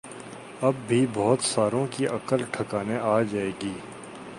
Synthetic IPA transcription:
ɐbːʱibɔːt̪saːɾõkiʔɐkəlʈʰəkaːneʔaːd͡ʒaːeːɡiː

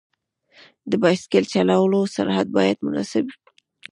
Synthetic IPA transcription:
d̪əbɑskelt͡ʃalawəlosa̰ɾhad̪̚bɑjad̪mʊnɑ̰sabi̥

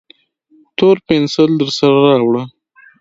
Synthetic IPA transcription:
t̪oɾpɪnsəld̪əɾsaɾaɾɑwɽə

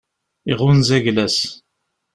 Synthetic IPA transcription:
iʁʊnzæʝlæs

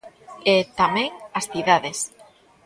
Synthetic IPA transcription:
et̪amẽŋasθiðaðes

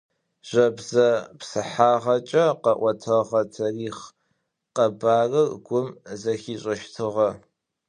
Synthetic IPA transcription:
ʒ̥ɐbzɐpsɨħaːʁɐt͡ʃʼɐqɐʔʷɔtʰɐʁɐtʰɐriːχ | qɐbaːrɨrɡʷʊmzɐxiːɕʼɐʃtʰɨʁɐ

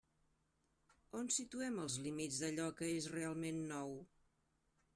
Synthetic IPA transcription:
onsit̪uɛməlˠzlimid͡zðəʎɔkəesrealˠmenːɔw

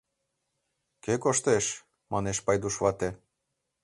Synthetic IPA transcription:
kekoʃt̪eʃ | mɑneʃpɑjd̪uʃβɑt̪e

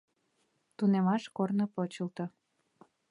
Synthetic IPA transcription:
t̪unemɑʃkornopot͡ɕəlt̪o

